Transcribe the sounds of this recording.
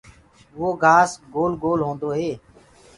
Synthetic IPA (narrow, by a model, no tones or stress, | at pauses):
ʋoːɡʱaːsɡoːlɡoːlɦõːnd̪oːɦeː